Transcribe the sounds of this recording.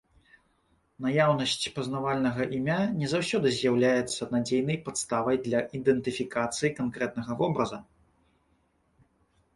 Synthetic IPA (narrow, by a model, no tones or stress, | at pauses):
najawnɐsʲt͡sʲpɐznavalʲnɐɣɐʔimʲanʲɛzawsʲɔd̪ɨzʲjawlʲajɛt̪sːɐnad͡zʲejnɐjpat̪st̪avɐjd̪lʲɐʔid̪ɛnt̪ɨfʲikat̪sɨjikankɾɛt̪̚nɐɣɐvɔbɾɐzɐ